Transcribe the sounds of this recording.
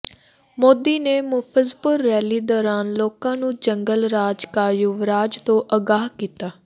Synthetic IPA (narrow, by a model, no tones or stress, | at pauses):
moːd̪iːneːmʊpʰəzpʊɾːɛːliːd̪ɔːɾaːnloːkãːnũːd͡ʒəŋɡəlɾaːd͡ʒkaːjʊʋɾaːd͡ʒt̪õːʔəɡaːɦkiːt̪aː